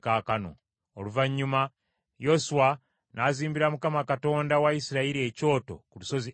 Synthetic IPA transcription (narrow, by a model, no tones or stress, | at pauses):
kaːkano̞̰ | oluvaɲːuma | josuwa | naːziːmbiɾamukamakato̞ːndawaisiɾaiɾie̞co̞ːto̞̰kuluso̞zi